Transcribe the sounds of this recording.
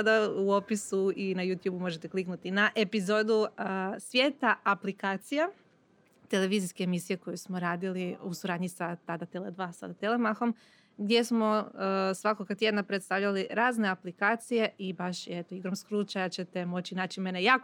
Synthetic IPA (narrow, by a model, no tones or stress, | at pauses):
ad̪auopisuinajut̪juːbumo̞ʒet̪ekliknut̪inaʔe̞pizo̞d̪usʋje̞ːt̪aʔaplikaːt̪sija | t̪e̞le̞ʋiziskeːmisije̞ko̞jusmoɾaːd̪iliusuɾaːd̪ɲisat̪ad̪at̪eled̪ʋasa̰d̪at̪elemaxo̞m | ɡd̪je̞smo̞əsʋakokat̪jed̪napɾet̪st̪aʋʎaliɾaːzne̞aplikaːt̪sije̞ibaʃjet̪oiɡɾomskɾut͡ʃajat͡ɕe̞t̪e̞mo̞t͡ɕinaːt͡ɕime̞ne̞jaːk